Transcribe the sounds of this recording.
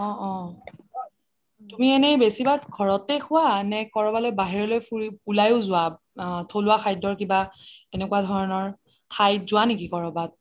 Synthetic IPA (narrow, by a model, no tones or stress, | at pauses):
ɔ̃ɔ̃ | tumienɛjbesibat̚ɡʱɔɹɔtexʊwanɛkɔɹɔbalojbaɦiɹɔlojpuɹiulajʊzʊwa | tʰolʊwaxʰajdɔɹkibaenɛkuwadʱɔɹɔnɔɹ | tʰajtzʊwanekikɔɹɔbat̚